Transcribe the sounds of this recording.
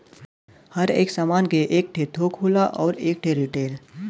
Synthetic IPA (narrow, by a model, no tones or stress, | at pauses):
həɾḛːksaːmaːnkeʔeːk̚ʈʰet̪ʰoːkɦuːlaʔɔːɾeːk̚ʈʰeɾiʈeːl